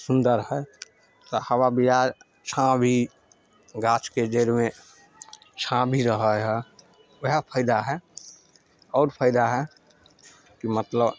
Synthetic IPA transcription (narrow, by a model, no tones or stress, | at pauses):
sʊnd̪əɾɦɛ | t̪ɔhəwabija | t͡ʃʰãbʱi | ɡaːt͡ʃked͡ʒeɾmẽ | t͡ʃʰãbʱiɾəɦəɦɛ | wəɦpʰəɪd̪aɦɛ | ɔːɾpʰəɪd̪aɦɛ | kimət̪ləb